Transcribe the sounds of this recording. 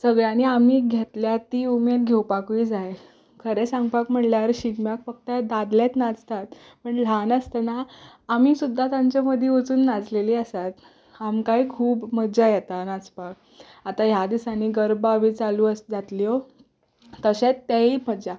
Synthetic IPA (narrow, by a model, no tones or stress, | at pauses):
səɡɭjãniːamiːɡʱet̪ljat̪ːiːumeɾɡʱewpakuiːd͡zaj | kʰəɾesãŋɡpakm̤əɽljaɾɕiɡmjakfək̚t̪əd̪ad̪ljat̪nad͡zt̪at̪̚ | pəɳl̤anəst̪ənaː | miːsud̪ʱːat̪amt͡ɕaməd̪ʱjeot͡suːnːad͡zleliːəsat̪ | amkaikʰuːpməd͡ʑajet̪anad͡zpak̚ | at̪aɦjad̪isaniːɡəɾbaʋiːt͡saluːəsd͡zat̪lio | t̪əɕet͡st̪ːeiməd͡ʑa